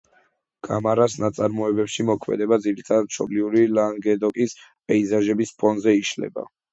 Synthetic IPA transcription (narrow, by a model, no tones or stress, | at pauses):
ɡ̥ʼa̰maɾasnat̪sʼaɾmɔɛbɛpʃimɔkʰmɛ̰d̪ɛbad̪ziɾit̪ʰad̪at̪ʃʰɔ̰bliuɾilaŋɡɛd̪ɔkʼis | pʼɛizaʒɛbispʰɔnzɛiʃlɛ̰ba̰